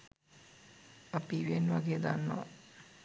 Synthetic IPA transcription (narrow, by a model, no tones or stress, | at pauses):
əpiʋenʋaɡed̪anːa̰